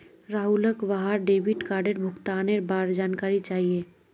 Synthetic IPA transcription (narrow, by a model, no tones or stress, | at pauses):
ɾaːɦuləkʋaɦaɾɖebiʈkaːɾɖeɾbʱʊkt̪aːneɾbaɾd͡ʒaːnkaːɾit͡ʃaːɦije